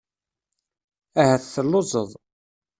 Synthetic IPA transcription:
æhæθθəlːozˤəðˤ

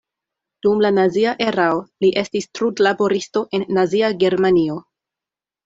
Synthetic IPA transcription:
d̥umlanaziaʔe̞ɾaoliʔe̞stistɾudlabo̞ɾisto̞ʔe̞nːaziaɡe̞ɾmanio̞

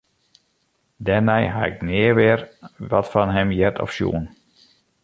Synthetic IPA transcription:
dɛnɛjɦaɪ̰k̚nɪəʋɪərʋɔtfɔnɦɛmjɛtʰɔ̰fsjṵən

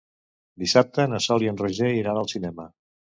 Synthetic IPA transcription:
d̪isap̚t̪ənəsɔliənreʒeiɾanəlˠsinɛmə

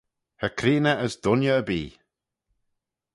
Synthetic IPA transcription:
həkʰɾiːnəəsd̥̪ʊnjəːbiː

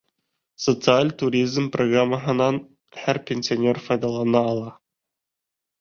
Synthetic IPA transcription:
sot̪sɨalʲt̪uɾʲizmproɡramːəɦə̆nɑn | χærpʲenʲsʲɪonʲerfɑjd̪ɑlˠɑnɑːlˠɑ

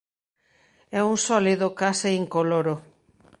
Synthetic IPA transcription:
ɛuŋsɔliðokaseːŋkoloɾo

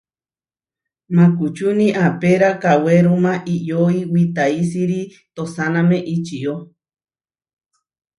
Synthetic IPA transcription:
mãkut͡ʃunĩʔapeɾakaweɾumãʔijoiwit̪ais̬iɾi | t̪osanãmẽʔit͡ʃio

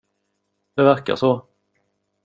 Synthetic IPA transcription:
d̪̥ɛvæɾka̰ʂɔ

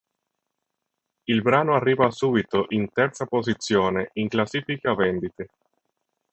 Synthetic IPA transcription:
ilbɾaːnoarːiːvasuːbit̪oʔint̪ɛrt̪sapozit̪sːjoːneʔiŋklasiːfikavɛnd̪it̪e

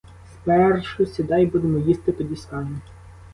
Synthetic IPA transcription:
spɛrʃʊsʲid̪ɑjbud̪emɔjist̪ɪt̪ɔdʲisʲkɑnʲi

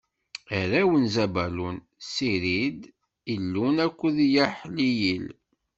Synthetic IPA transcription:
æɾæwənzæbælun | siɾid̪ | ilːunækʷːəðjəħlijil

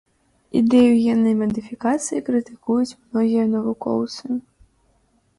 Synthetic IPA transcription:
ḭd̪ɛjujʲɛnːɐjmɐd̪ɨfʲikat̪sɨjikɾɨt̪ɨ̥kujut͡sʲmnɔɣʲijɐnɐvukɔ̰wt̪sɨ

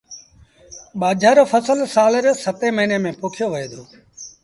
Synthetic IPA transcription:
ɓaːd͡ʒʱaːɾoːfəsəlsaːləɾsət̪eːməɦineːmẽːpoːkʰɪjoːʋəeːd̪ʰoː

